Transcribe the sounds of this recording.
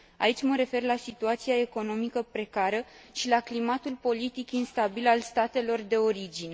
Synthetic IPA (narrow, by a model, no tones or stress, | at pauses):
ait͡ʃʲməɾe̞fe̞rlasit̪uat̪siae̞ko̞no̞mikəpɾe̞kaɾəʃilaklimat̪ulpo̞lit̪ikinst̪abilalst̪at̪e̞lo̞rd̪e̞o̞ɾid͡ʒine